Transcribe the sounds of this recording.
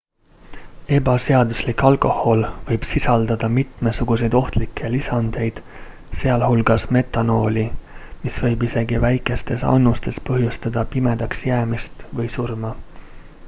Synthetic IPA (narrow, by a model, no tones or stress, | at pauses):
e̞bɑseɑd̪uslikːɑlko̞ho̞lvɤjb̥sisɑld̪̥ɑd̪̥ɑmit̪mesuɡ̥use̞jd̪o̞ht̪likʰːˑe̞lisɑnd̪̥e̞jd̪̥ | se̞ɑlhulɡ̥ɑsme̞t̪ːˑɑno̞ːlʲimisvɤ̞jbise̞ɡivæjkːˑe̞st̪e̞sɑ̰nːust̪e̞spɤɦjust̪ɑd̪ɑpime̞d̪̥ɑksjæːmist̪vɤjsurmɑ